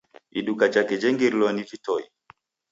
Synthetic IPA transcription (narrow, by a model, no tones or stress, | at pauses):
ḭɗukat͡ʃakɛd͡ʒɛŋɡiɾlɔnivitɔi